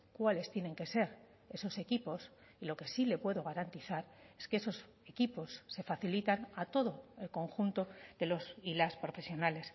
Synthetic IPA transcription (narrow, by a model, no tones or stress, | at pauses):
kwale̞st̪je̞ne̞ŋke̞se̞ɾ | e̞so̞se̞kipo̞s | ilo̞ke̞sile̞pwe̞ðoɣ̞aɾant̪iθaɾe̞skeeso̞s | e̞kipo̞sːe̞faθilit̪anat̪o̞ð̞o̞e̞lko̞ŋxunt̪o̞d̪e̞lo̞silaspɾo̞fe̞sjo̞nale̞s